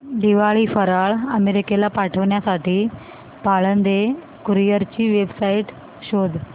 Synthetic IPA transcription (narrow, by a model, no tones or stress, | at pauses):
d̪iʋaɭiːfəɾaɭəmeɾikelapaʈʰəʋɳjasaʈiː | paɭənd̪e | kuɾijəɾt͡ɕiːʋebsaiʈ | ɕod̪ʱ